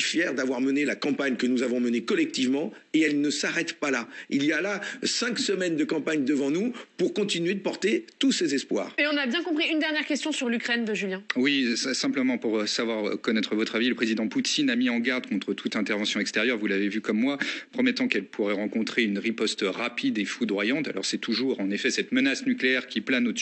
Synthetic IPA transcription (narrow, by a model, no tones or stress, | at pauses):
fjɛʁd̪avwaʁmənelakɑ̃paɲkənuzavɔ̃mənekɔlɛk̚t̪ivmɑ̃eɛlnəsaʁɛt̪palailijalasɛ̃ksəmɛnd̪əkɑ̃paɲd̪əvɑ̃nupuʁkɔ̃t̪inɥed̪əpɔʁt̪et̪usezɛspwa̰ːʁeɔ̃nabjɛ̃kɔ̃pχiynd̪ɛʁnjɛʁkʲɛst̪ʰjɔ̃syʁlykχɛnd̪əʒyljɛ̃wisɛ̃pləmɑ̃puʁsavwaʁkɔnɛt̪χəvɔt̪χaviləpχezid̪ɑ̃put̪inamiɑ̃ɡaʁd̪kɔ̃t̪χət̪ʰut̪ɛ̃t̪ɛʁvɑ̃sjɔ̃ɛkst̪eʁjœʁvulavevykɔmːwapχɔmɛt̪ɑ̃kɛlpʰuʁɛʁɑ̃kɔ̃t̪χeynʁipɔst̪ʁapʰid̪efud̪ʁwajɑ̃t̪a̰lɔ̰ʁsɛt̪ʰuʒuʁɑ̃nefɛsɛt̪mənasnykleɛʁkʲiplano